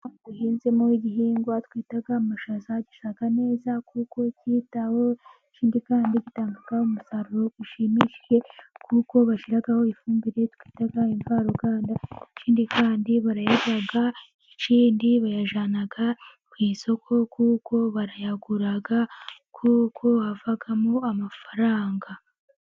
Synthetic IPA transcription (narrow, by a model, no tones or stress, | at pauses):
βuhiːnzemoiɟiɦiːŋɡwatwiːtaɡamaʃazaɟi̥sakane̞ːzakuko̞citaho̞ | ciːndikaːndiɟitaːŋɡaɡ̥ahomusaɾuɾo̞ɡiʃimiʃi̥ʒe̞kʰuko̞βaʃiɾaɡaho̞ifuːmbiɾe̞tkwi̥ːtaɡaiɱvaːɾoɡaːndaeciːndikaːndiβaɾajaɡaɡa | eciːndiβajaʒanaɡa | kwiːnso̞kʰo̞kʰuko̞βaɾajaɡuɾaɡakʰukʰo̞βavaɡamoamafaɾaːŋɡa